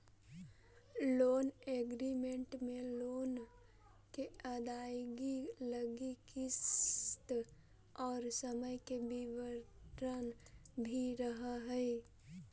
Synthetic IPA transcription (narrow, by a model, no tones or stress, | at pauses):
loːneːɡɾimẽɳʈmẽloːn | keəd̪aːjɡiləɡikɪst̪ | ɔːɾsəməjkebiwəɾənbʱiɾəɦaɦɛi